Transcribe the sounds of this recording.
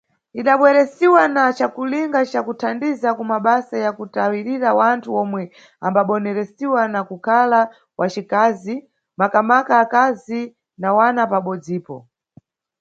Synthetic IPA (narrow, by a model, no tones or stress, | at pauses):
iɗaɓwɛɾɛsiwanat͡ʃakuliŋɡat͡ʃakutʰandizakumaɓasajakutawiɾiɾawantʰuɔmwɛ | ambaɓɔnɛɾɛsiwanakukʰala | wat͡ʃikazi | makamakaːkazi | nawanapaɓɔd͡ziːpɔ̰